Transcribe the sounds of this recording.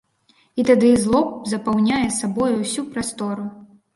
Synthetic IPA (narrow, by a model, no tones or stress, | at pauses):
it̪ad̪ɨzlˠɔp̚zɐpawnʲajɛsabɔjuwsʲupɾast̪ɔɾu